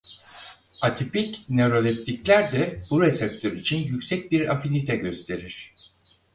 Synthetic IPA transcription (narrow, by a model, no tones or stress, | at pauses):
at̪ʰipicne̞ɾo̞lʲet̪lʲiclʲæɾd̪ɛbuɾesɛp̚t̪ʰøɾit͡ʃʰinjycsɛc̚biɾafinit̪ʰɛɟøst̪ʰe̞ɾiɾ̝̥